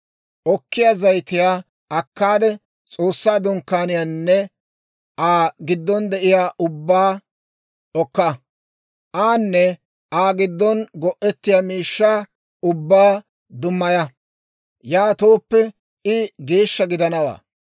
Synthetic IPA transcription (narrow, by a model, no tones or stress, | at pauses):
ʔɔkːɪjaːzɐjt̪ɪjaː | ɐkːaːd̪ɛ | t͡sʼo̞ːsːaːd̪ʊŋkːaːnɪjanːɛ | ʔaːɡɪd̪ːɔnd̪ɛʔɪjaːʔʊbːaː | ɔkːɐ | ʔaːnːɛ | ʔaːɡɪd̪ːɔnɡɔʔɛt̪ːɪjaːmiːʃːaː | ʊbːaː | d̪ʊmːɐjɐ | jaːt̪o̞ːpːɛ | ɪɡe̞ːʃːɐɡɪd̪ɐnɐwa̰ː